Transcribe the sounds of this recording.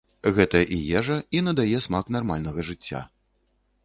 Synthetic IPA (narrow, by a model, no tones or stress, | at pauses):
ɣɛt̪ɐjɐʔijɛʐɐinɐd̪ajɛsmaknarmalʲnɐɣɐʐɨt͡sʲːa̰